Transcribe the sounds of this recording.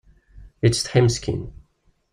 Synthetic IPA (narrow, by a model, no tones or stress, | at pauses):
ɪtsʰɛ̃mskʰḭ̃n